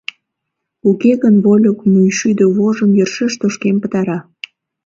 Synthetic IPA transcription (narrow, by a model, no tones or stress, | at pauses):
ukeɣənβolʲokmujʃyd̪øβoʒəmjərʃəʃt̪oʃkempət̪ɑɾɑ